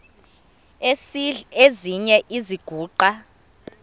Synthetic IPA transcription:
eziɲɛʔiziɡ̥ʱuːǃa

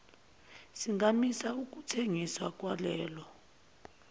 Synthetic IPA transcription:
siŋɡamisauk̬utʰeŋiswak̬ʼwalɛːlɔ

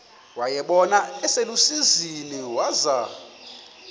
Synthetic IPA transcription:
wajɛɓɔnaɛselusiziniwaza

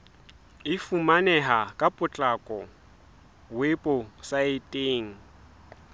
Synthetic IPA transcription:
ɪfumanɛɦakʼapʼʊt͡ɬʼakʼɔ | wepʼʊsaɪtʼeːŋ̩

